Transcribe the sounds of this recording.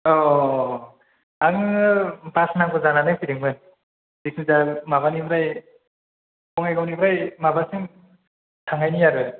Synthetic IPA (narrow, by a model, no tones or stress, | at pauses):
ɔ | aŋ | basnaŋbɯzananɯpʰiɾiŋbɯn | dik̚ʰnizamaβanibɾaj | kɔŋajɡawnibɾajmabasɯŋ | tʰaŋajnijaɾɯ